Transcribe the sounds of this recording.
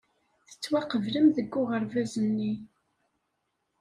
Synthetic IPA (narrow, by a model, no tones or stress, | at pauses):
θə̥t͡sːwæqəvləmðəɡːʊʁəɾvæzənːi